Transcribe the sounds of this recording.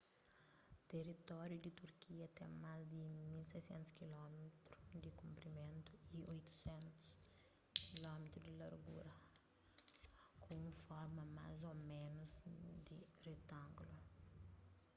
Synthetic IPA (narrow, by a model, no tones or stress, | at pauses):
t̪erit̪ɔɾjud̪it̪uɾkiɐt̪ɛ̃mazd̪imilsejsẽnt̪u̥skilɔmet̪ɾud̪ikũmpɾimẽnt̪uiojt̪u̥sẽnt̪u̥s | kilɔmet̪ɾud̪ilɐɾɡṵɾɐ | kʰõũfɔɾmɐma̰zomẽnuzd̪iret̪ãŋɡlu